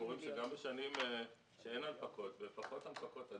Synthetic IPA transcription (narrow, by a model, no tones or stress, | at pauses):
uʁimʃeɡambeʃanime | ʃeenalpako̞t̪befaχo̞t̪alpako̞t̪a